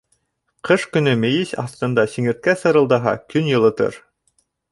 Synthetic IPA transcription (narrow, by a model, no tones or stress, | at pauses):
qʰɤʃkɵ̆nɵmɘ̆jisɑ̰θt̪ɤ̆nd̪ɑsiŋɘ̆ɾt̪̚kæsɤ̆ɾɤ̆lˠd̪ɑɦɑ̰kɵnjɤ̆lˠɤ̆t̪ɤ̰ɾ